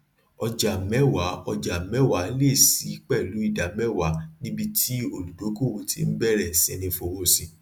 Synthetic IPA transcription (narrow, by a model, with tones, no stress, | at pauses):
ɔ˧d͡ʒa˨mɛ˦wa˨˦ɔ˧d͡ʒa˨mɛ˦˨wa˨˦le˦˨si˨˦k͡pɛ˦˨lu˨˦i˦˨da˨˦mɛ˦˨wa˨˦nĩ˦bi˦˧tʰi˦o˧˨lu˨do˨˦ko˦˨wo˧tʰḭ˦n̩˦bɛ˦˨ɾɛ˦˨sɛ̃˧nĩ˧fo˨˦wo˦˨sĩ˨˧